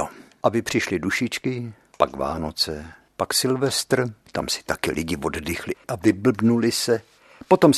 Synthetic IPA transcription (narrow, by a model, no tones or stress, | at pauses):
ʔabɪpr̝̥ɪʃlɪduʃɪt͡ʃkɪ | pakva̰ːno̞t͡sɛ | paksɪlvɛst̪r̩t̪a̰msɪ̥t̪akɪlʔɪɟɪvoddɪxlɪʔavɪbl̩bnulɪsɛ | po̞t̪o̞m